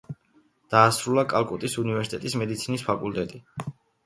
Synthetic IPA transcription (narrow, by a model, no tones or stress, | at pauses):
d̪̥aːsɾulakʼalˠkʼut̪ʼisunivɛɾsi̥t̪ʼɛt̪ʼismɛd̪it̪sʰinispʰakʼult̪ʼɛt̪ʼi